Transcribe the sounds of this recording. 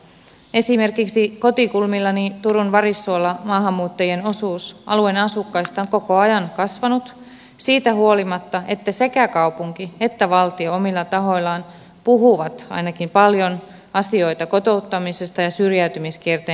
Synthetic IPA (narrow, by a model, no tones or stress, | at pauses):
e̞sime̞rkiksiko̞t̪ikulmilːɑnit̪uɾunʋɑɾisːuolːɑmɑːɦɑmːuːt̪ːɑjie̞no̞suːsʔɑ̰luenɑsukːɑjst̪ɑoŋko̞ko̞ɑjɑnkɑsʋɑnut̪ | siːt̪æɦuo̞limɑt̪ːɑʔe̞t̪ːæse̞kækɑwpuŋkie̞t̪ːæʋɑlt̪ioomilːɑt̪ɑɦo̞jlːɑːn | puɦuʋɑt̪ɑ̰jnɑkimpɑljo̞n | ɑsio̞jt̪ɑko̞t̪o̞ut̪ːɑmise̞st̪ɑjɑsyrjæyt̪ymiskiert̪eː